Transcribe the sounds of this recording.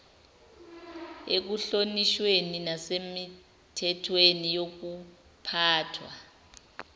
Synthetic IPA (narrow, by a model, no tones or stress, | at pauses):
ek̬uɬoniʃweninasemi | tʰɛtʰwenijok̬u | pʰaːtʰwa̰